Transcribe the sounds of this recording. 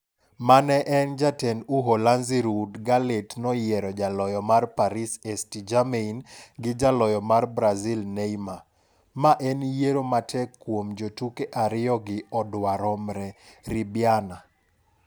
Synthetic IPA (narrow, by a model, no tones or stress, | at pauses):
manɛʔɛnd͡ʒatɛnuɦolanziɾudɡaletnɔjɛɾɔd͡ʒalɔjɔmarpaɾisɛstid͡ʒameinɡɪd͡ʒalɔjɔmarbɾazilneima | maʔɛnjeɾomatʰɛkːwomd͡ʒotukeʔaɾɪjɔɡɪɔdwaɾɔmɾɛɾibjana